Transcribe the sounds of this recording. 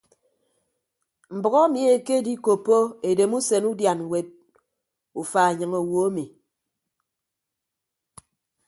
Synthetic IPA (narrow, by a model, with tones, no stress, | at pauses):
m̩˨bɔ˨ɣɔ˦mi˨˦e˨ke˦di˦ko˨pːo˦e˨de˨mu˦se˨nu˦dja˨n˨we˨d̚ | u˨fa˨e˨ɲɨ˨ŋo˨wo˨˦mi˨